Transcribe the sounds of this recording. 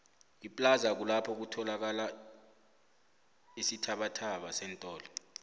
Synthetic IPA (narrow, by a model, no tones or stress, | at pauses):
ipʼlazak̬ulapʰɔk̬utʰɔlak̬ala | isitʰaɓatʰaɓasɛntʼɔːlɔ